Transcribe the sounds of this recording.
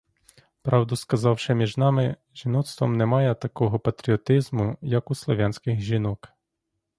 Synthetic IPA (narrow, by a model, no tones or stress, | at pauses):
pɾɑwd̪ʊskɐzɑwʃɪmʲiʒnɑmɪ | ʒinɔt̪st̪ʋɔmnɛmɑjɛt̪ɐkɔɦɔpɐt̪ɾʲiɔt̪ɪzmʊjɐkuslˠɔʋʲjanʲsʲkɪxʒʲinɔk